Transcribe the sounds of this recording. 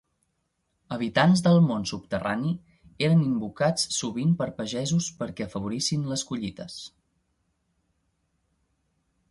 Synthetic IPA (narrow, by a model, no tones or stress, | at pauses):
əβ̞it̪anzðəlˠmonsupt̪əra̰ni | eɾənimbukat͡ssːuβimpəɾpəʒɛzuspəɾkɛəfəβ̞uɾisinləskuʎit̪əs